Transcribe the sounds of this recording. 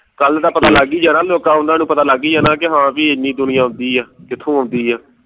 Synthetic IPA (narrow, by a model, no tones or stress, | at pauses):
kəld̪aːpət̪aːləɡiːd͡ʒaːnãːloːkãːɦʊ̃nd̪aːnũːpət̪aːlaɡiːd͡ʒaːnãːkɪɦãːpiːenĩːd̪ʊnɪjãːɦʊ̃nd̪iːɛːkɪt̪ʰːõːɦʊ̃nd̪iːɛː